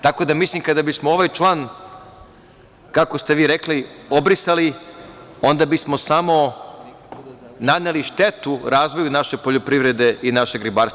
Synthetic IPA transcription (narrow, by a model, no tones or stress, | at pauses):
t̪ako̞d̪amislimkad̪abismooʋajt͡ʃlˠaːn | kako̞st̪e̞ʋiːɾekliobɾisali | o̞nd̪abismo̞samo̞ | nad̪neliʃt̪e̞t̪uɾaːzʋo̞junaʃe̞po̞ʎopɾiʋɾe̞d̪e̞inaʃeɡɾibaːɾs